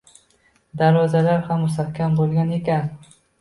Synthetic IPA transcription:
d̪aɾvɒzalaɾhamːʊst̪ahkʲambolˠɡʲane̞kʲan

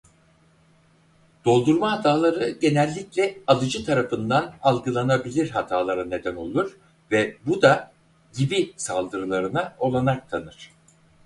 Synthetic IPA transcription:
d̪̥o̞lˠd̪uɾmaɦat̪ʰaːlˠaɾɯɟe̞nɛlʲːiclʲɛalˠɯd͡ʒɯt̪ʰaɾafɯnd̪analˠɡɯlˠanabilʲiɾɦat̪ʰaːlˠaɾane̞d̪æno̞lˠuɾ | vɛbud̪a | ɟibisalˠd̪ɯɾɯlˠaɾɯnao̞lˠanak̚t̪ʰanɯɾ̥

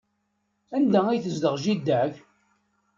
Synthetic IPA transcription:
ænd̪ææjθəzd̪əʁʒid̪ːæʝ

